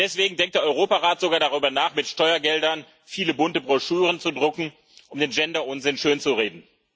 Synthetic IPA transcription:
d̥ɛsv̥eːɡŋ̩dɛŋk̚td̥eːɐʔɔʏʁoːpaʁaːtz̥oɡaːɐdaʁyːbɐnaːχmɪtʃtɔʏɐɡɛldɐn | fiːləbʊntəbʁɔʃyːʁənt͡sudʁʊkŋ̩ | ʔʊmdeːnd͡ʒɛndɐʔʊnzɪnʃøːnt͡suʁeːdn̩

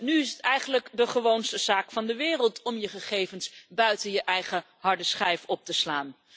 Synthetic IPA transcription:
nyɪsətɛjχənləkdəχəʋownstəz̥aːkfɑndəʋɪːrəlˠtɔmjəχəχejvənsbœɥtənjəʔɛjχə | ɦɑɹdəsχɛjfɔp̚təslaːn

